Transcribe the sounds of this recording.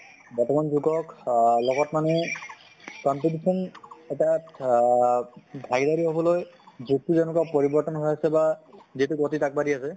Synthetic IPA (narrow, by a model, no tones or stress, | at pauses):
bɔtɔmanzuɡɔklɔɡɔtmanɛ | kɔmpit̬isɔnetia | bʱaɡidaɹiɦobɔlojzuk̚tuzɛnukapoɹibɔɹtɔnɦojasɛbaziɦtuɡotitak̚baɾiasɛ